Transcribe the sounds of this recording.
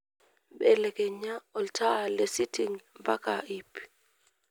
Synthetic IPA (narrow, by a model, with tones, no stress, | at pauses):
ɓɛlɛ˨kʼɛ˨ɲa˦ɔ˨ltʰa˦˨le˨si˦tʰi˦ŋba˦kʼaʔip